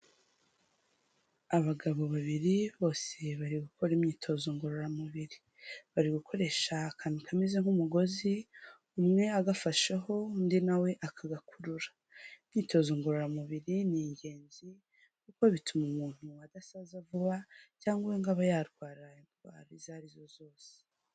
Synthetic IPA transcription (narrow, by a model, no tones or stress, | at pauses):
aβaɡaβo̞βaβiɾiβo̞ːse̞βaɾiɡuko̞ɾimɲiːtʰo̞zoŋɡuɾoɾamuβiɾi | βaɾiɡukʰo̞ɾe̞ʃaːkʰanukʰamezeŋ̥umuɡo̞zi | umŋe̞aɡafaʃeɦo̞ndinawe̞ʔakʰaɡakʰuɾuɾḁ | mɲiːto̞zoŋɡoɾoɾamuβiɾiniːɲɟe̞ːnzi | kukoβitʰumumuːn̥uadasazavuβacaːŋɡuweŋɡaβajaɾɡwaːɾiainɡwa̰ːɾizaɾizo̞zo̞ːse̥